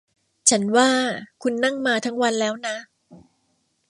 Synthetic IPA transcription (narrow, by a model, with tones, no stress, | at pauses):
t͡ɕʰa˦˥nwaː˥˩kʰu˧nːa˥˩ŋmaː˧t̪ʰa˦˥ŋwa˧nlɛː˦˥wna˦˥